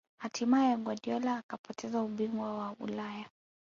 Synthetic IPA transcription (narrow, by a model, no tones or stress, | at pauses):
hatʰimajɛɡwaɗiɔlaːkapɔtʰɛzauɓiŋɡwawaṵlaja